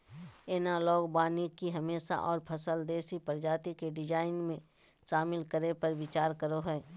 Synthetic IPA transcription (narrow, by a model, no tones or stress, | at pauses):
eːnalɔːɡbaːnikiɦɐmeːʃa̰ʔɔːɾpʰɐsəld̪eːsipəɾd͡ʒaːt̪ikeɖɪd͡ʒaːɪnmẽ | ʃaːmɪlkəɾepɐɾwɪt͡ʃaːɾkəɾoɦɛː